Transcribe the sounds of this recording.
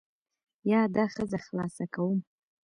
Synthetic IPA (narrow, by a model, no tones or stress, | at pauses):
jɑd̪ɑxəzaxlɑsakawum